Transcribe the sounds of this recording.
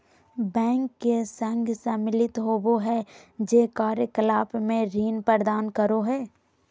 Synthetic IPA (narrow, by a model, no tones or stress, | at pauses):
bɛ̃ːŋkːesə̃ŋɡʱsemɪlɪt̪ɦoːboɦɛd͡ʒeːkaːɾjəkəlaːpmẽɾiːnpəɾd̪aːnkəɾoɦɛː